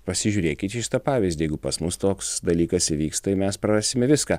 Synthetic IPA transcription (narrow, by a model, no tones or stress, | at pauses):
pɐsʲɪʒʲuːɾʲeːkʲɪt̪ʃʲɪ̥t̪ɐpɑːʋʲɪzʲd̪ʲjɛɪɡʊpɐsmʊst̪oːksd̪ɐlʲiːkɐsɪʋʲiːkst̪ɐɪmʲɛspɾɐɾɑsʲɪmʲɛʋʲɪskɐː